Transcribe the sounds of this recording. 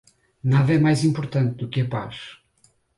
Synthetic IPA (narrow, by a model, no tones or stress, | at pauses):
naðɐɛmajzĩmpuɾt̪ɐ̃nt̪̚d̪ukɨɐpa̰ʃ